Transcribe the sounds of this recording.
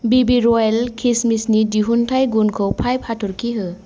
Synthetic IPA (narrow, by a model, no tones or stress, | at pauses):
bibiɾɔɛlkʰismisnidiɦuntʰajɡunkʰɯwpʰajpʰatʰuɾkʰiɦɯ